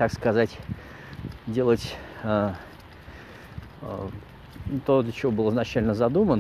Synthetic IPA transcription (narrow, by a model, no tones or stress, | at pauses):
t̪akskɐzatʲ | dʲe̞lˠətʲə | t̪od̪lʲət͡ɕɪvo̞bɨlˠəznɐt͡ɕælʲnəzɐd̪umən